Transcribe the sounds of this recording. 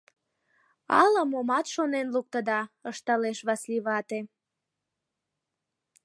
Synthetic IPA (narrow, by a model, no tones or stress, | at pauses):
ɑ̰ləmomɑt̪ʃonenluk̚t̪əd̪ɑəʃt̪ɑleʃβɑsliβɑt̪e